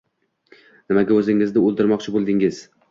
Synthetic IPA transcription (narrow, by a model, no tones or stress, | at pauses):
nɪmaɡʲaɵzɪŋɪznɪolˠd̪ɪɾmɒqt͡ʃʰɪbolˠd̪ɪŋɪz̥